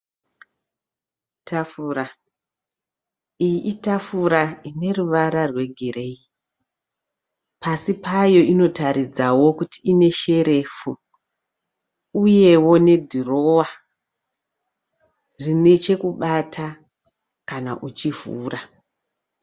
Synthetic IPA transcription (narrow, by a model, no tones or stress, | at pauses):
tafuɾa | ijiʔitafuɾaine̞ruʋaɾarwe̞ɡʱeɾei | pasipajo̞ino̞taɾid͡zawo̞kuti̥ine̞ʃe̞ɾe̞fu | uje̞wo̞ne̞dʱiro̞wa | rine̞t͡ʃe̞kuɓatʰa | kana̰ʔut͡ʃivṵːra